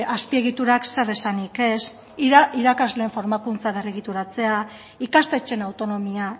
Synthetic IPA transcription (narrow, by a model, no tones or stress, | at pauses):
aspie̞ɣ̞it̪uɾaksere̞sanike̞s | iɾakazleːɱfo̞ɾmakunt͡saβeriɣ̞it̪uɾat͡se̞a | ikast̪e̞t͡ʃe̞nawt̪o̞no̞mia